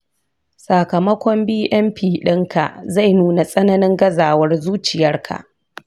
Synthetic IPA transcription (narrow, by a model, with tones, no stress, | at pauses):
sa˨kɐ˨mɐ˦kʷɔ˦mbiː˦ʔɛ˦mɸiː˨ɗɪ˦ŋkʰa̰˨ʔza˦˨jnuː˦na˨sʼɐ˦nɐ˦nɪ˦ŋɡɐ˦zaː˨wɐ˦rzuː˦t͡ʃɪ˨jɐ˦rkʰa̰˨ʔ